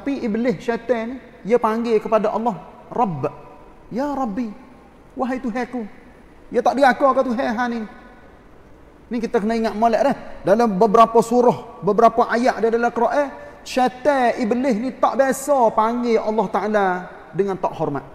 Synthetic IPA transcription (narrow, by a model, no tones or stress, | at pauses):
t̪apiʔibəlɪhʃɛt̪ɛni | jəpaŋɡekəpadaʔɑlːɑh | rɑb | jaɾɑbːi | waɦait̪uɦɛku | jət̪aʔdiɡakɔkat̪uɦɛɦani | nikit̪akənaiŋaʔ̪molɛʔɾɛhdaləmbəbəɾapasuɾɔhbəbəɾapaʔajaʔdadalakəɾoʔɛʃɛt̪ɛibəlɪɦnit̪aʔbesɔpaŋɡeʔɑlːɑht̪aʔala | dəŋant̪aʔhɔrma̰t̪̚